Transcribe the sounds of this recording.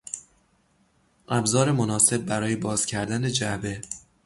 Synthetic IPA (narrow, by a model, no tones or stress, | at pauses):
ʔæbzɒːɾe̞monɒːse̞b̚ːæɾɒːje̞bɒːz̥cʲʰæɾd̪æne̞d͡ʒæbe̞